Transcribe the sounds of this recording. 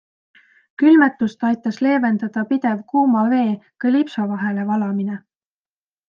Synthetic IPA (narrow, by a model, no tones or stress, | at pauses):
kylmet̪ːˑust̪ɑjt̪ːˑɑsle̞ːve̞nd̪̥ɑd̪̥ɑpid̪̥e̞vkuːmɑve̞ːkɑlipsɑvɑɦe̞levɑlɑmine